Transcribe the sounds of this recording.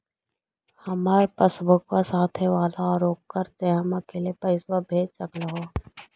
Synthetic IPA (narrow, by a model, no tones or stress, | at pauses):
hɐmaːɾpɐsbʱʊkwasaːt̪ʰeʋaːlaɾoːkːəɾt̪eɦɐmɐkeːlepɐɪswɐbʱeːt͡ʃɐklaɦoː